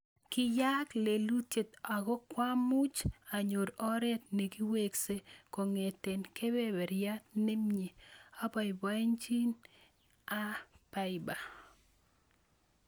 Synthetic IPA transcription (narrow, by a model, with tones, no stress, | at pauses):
kɪ˦ja˦kle˨lu˦te˨t̪a˨ɡɔ˦kwa˦mu˦t͡ʃa˨ɲo˨ɾɔ˦ɾɛ˦t̪̚ne˨ɡi˦we˦kse˦ko˨ŋe˨te˨nke˦be˦bɛ˨ɾja˦t̪ne˦mɲe˨a˦bɔ˨ɪ˨ba˦i˦ɲt͡ʃi˦n | a˦pa˦ɪ˨ba˨